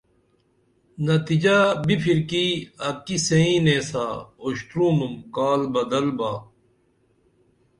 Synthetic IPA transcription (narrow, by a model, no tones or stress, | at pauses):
nɐt̪id͡ʑaːbipʰiɾkiːɐkiseĩːneːsaːoɕt̪ɾũːmumkaːlbɐd̪ɐlbaː